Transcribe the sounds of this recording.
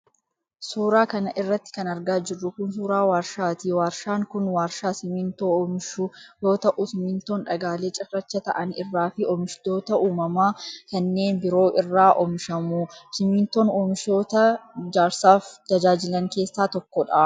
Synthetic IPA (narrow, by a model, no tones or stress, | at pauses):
suːɾaːkɐnɐʔɪrːɐt̪ːɪ̥kɐnɐɾɡaːd͡ʒɪrːʊkʊns̬uːɾaːwaːɾʃaːt̪iːwaːɾʃaːŋkʊnwaːɾʃaːsɪmɪnt̪oːmɪʃujoːt̪ɐʔʊsɪmɪnt̪oːnᶑɐɡaːle̞ːt͡ʃʼɪrːɐt͡ʃːɐt̪ɐʔɐnɪrːaːfɪɔmɪʃt̪o̞ːt̪ɐʔuːmɐmaːkɐnːe̞ːnbɪɾo̞ːʔɪrːaːʔɔmɪʃɐmusɪmiːnt̪o̞ːnoːmɪʃoːt̪ɐd͡ʒaːɾsaːft̪ɐd͡ʒaːd͡ʒɪlɐŋke̞ːsːaːt̪ɔkːɔᶑɐ